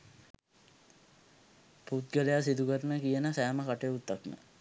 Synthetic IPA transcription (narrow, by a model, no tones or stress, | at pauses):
put̪̚ɡəlejasid̪ukəɾənəkijənəsæːməkaʈəjut̪ːaknə̰